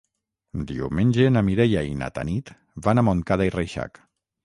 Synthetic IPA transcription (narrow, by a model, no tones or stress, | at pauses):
d̪iumenʲd͡ʒenamiɾɛjaina̰t̪a̰nit̪ | βanamoŋkaðaireʃa̰k